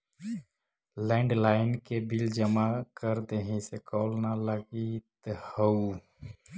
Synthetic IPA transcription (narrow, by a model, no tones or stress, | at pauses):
lɛ̃ːɳɖlaːɪnkebild͡ʒəmakəɾd̪eɦĩsekɔːlnaləɡit̪həu